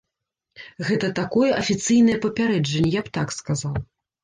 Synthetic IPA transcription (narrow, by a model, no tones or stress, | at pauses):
ɣɛt̪ɐt̪akɔjɛʔɐfʲit̪sɨjn̪ɐjɛpɐpʲaɾɛd͡ʐɐnʲːɛjapt̪akskazaw